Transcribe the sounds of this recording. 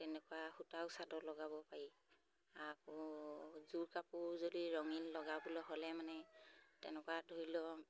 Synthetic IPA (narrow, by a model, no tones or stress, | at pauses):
tɛnɛkɔwahutawsadɔlɔɡabɔpaɹi | akɔ | zuɹkapuɹzodiɹɔŋinlɔɡabulɔɦɔlɛmanɛtɛnɛkɔadʱoɹilɔ